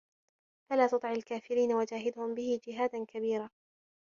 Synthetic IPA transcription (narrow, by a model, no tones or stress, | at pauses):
falaːt̪ʊt̪ˤʕalkaːfɪɾiːnawad͡ʒaːɦɪd̪ʊhʊmbɪhɪd͡ʒɪɦaːd̪ankabiːɾaː